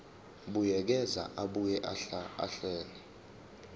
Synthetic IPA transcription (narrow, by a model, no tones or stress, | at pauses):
ɓujɛk̬ɛza̰ʔaɓujɛʔaɬaa̰ɬɛːni